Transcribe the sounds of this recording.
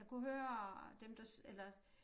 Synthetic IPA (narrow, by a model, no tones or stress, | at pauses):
kʰuɦøːɐd̥emd̥ɑ̈selɐ